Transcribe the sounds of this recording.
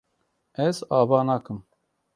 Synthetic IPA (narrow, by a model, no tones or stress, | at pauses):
ɛzɑːbɑːnɑːkɨm